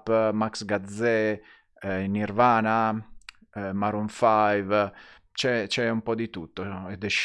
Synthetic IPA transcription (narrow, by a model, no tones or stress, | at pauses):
pːmaksɡad̪zɛ | iniɾvaːna | maɾuɱfajv | t͡ʃɛt͡ʃɛumpɔd̪it̪ut̪ːoɛd̪ɛʃ